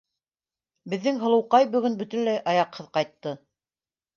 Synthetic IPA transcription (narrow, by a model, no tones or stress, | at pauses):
bɘ̆ðːɘŋɦɤ̆lˠɤ̆wqɑjbɵ̆ɡɵnbɵ̆t̪ɵ̆nlæjʔɑjɑqhɤðqɑjt̪ːɤ